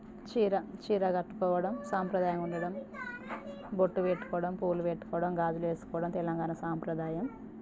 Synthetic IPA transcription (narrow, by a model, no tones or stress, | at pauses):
t͡ʃiːɾɐt͡ʃiːɾɐɡɐʈːu̥kɔːʋɐɽɐmsaːmpɾɐd̪aːjɐmuɳɖɐɽɐm | boʈːupeʈːu̥kɔːʋɐɽɐmpuːlupeʈːu̥kɔːʋɐɽɐmɡaːd͡ʒ̪uleːsu̥kɔːʋɐɽɐmt̪ɛlɐŋɡaːnɐsaːmpɾɐd̪aːjɐm